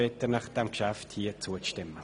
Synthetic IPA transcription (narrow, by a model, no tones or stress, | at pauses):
ɛtənɑχd̥ɛmkʃæfthiːət͡suətɪmːə